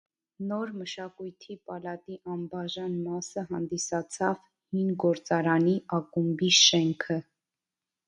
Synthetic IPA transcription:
nɔɾməʃɑkujt̪ʰipɑlɑt̪iʔɑmbɑʒɑnmɑsəɦɑnd̪isɑt͡sʰɑv | hinɡɔɾt͡sɑɾɑniʔɑkumbiʃɛŋkʰə

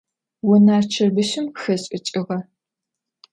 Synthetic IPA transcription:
wʊnaːrt͡ʃʰɐrbɨʃɪmxɐɕʼɪt͡ʃʼɪʁɐ

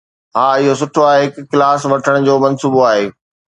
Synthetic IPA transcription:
ɦaːɪɦosʊʈʰoaːɦeɦɪkːɪlaːsʋɐʈʰəɽ̃d͡ʑoːmɐnsuːboaːɦeː

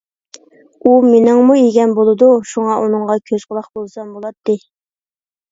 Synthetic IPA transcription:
umenɪŋmueɡʲɛnbolˠɨd̪uʃuŋɑʔunɨŋʁɑkʲʰøzqəlˠɑχbolˠsɑmbolˠɑt̪ːɨ

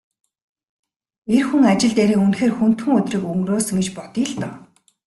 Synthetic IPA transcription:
erxuŋat͡ɕɪ̆ɮt̪eːɾiːŋunxeːrxun̥t̪xɘ̆ŋɵt̪rĭːkɵŋroːsə̆ŋɡet͡ɕpɔt̪iːɮt̪ɔ

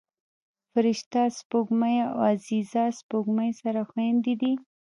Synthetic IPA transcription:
fɪɾɪʃt̪aspoɡmaja̰azizɑspoɡmajsaɾaxwand̪id̪i

